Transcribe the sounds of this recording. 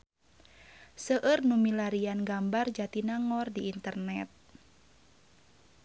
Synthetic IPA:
səʔərnumilaɾianɡambard͡ʒat̪inaŋɔrdiːnt̪ərnɛt̪̚

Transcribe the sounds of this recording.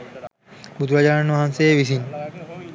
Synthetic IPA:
bud̪ʱuɾad͡ʒaːanʋaɦanseeʋis̬in

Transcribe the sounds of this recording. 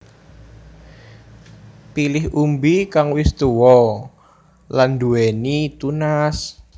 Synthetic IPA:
pilɪɦʔumbikaŋwɪst̪uwɔ | land̪uwɛnit̪unas

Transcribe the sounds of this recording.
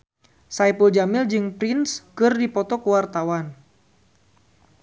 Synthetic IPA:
sajpuld͡ʒamɪld͡ʒɨŋpɾɪnskɨrdipɔt̪ɔkəwart̪awan

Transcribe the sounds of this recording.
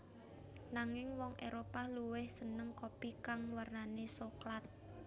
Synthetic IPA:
naŋɪŋwɔŋʔeɾopaluwɪhsənəŋkopikaŋwarnanesoklat̪̚

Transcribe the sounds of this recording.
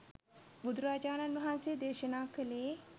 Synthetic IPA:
bud̪ɾaːd͡ʒaːnanʋɐɦanseːd̪eːʃənaːkəleː

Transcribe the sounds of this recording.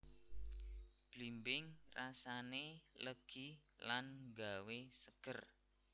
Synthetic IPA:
b̥limbɪŋrasaneləɡ̥ilanŋɡawesəɡ̥ər

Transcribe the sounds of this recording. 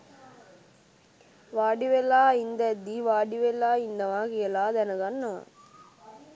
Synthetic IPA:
ʋaːɖiʋelːaːind̪ɐd̪ːiʋaːɖiʋelːaːind̪ɐʋaːkiɐlaːd̪ɛnɐɡanːɐʋa̰

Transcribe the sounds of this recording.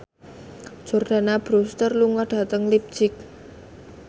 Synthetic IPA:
d̥d͡ʒ̥ɔ̤rɖ̥a̤nab̥ɾust̪ərluŋaɖ̥a̤t̪əŋlip̚d̥t͡ʃɪk̚

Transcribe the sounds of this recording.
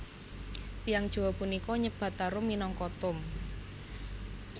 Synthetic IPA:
pijaŋd̥ʒ̥o̤wɔpunikɔɲəb̥a̤t̪aɾʊmːinɔŋkɔt̪ʊm | k

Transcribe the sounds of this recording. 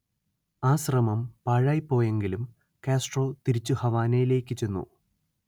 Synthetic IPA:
aːɕrɐmɐmpɐːɻaːjipːo̞ːje̞ŋɡilum | kaːsʈro̞ːt̪iɾit͡ɕːuhɐʋaːnɐjile̞ːkʲːɨt͡ɕe̞nːṵ

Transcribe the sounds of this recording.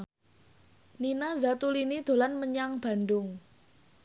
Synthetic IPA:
ninazat̪ulinid̪̥o̤lanməɲaŋb̥a̤ndʊŋ

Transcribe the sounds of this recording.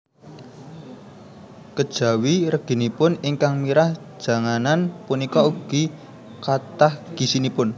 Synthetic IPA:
kəd̥ʒ̥ä̤wirəɡ̥i̤nipʊnɪŋkaŋmiɾahʒ̥ä̤ŋananpunikɔuɡ̥i | kat̪ahɡ̥i̤sinipʊn

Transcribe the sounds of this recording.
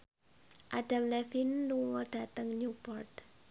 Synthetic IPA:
ʔaɖ̥a̤mlɛfinluŋɔɖ̥a̤t̪əŋɲupɔrt

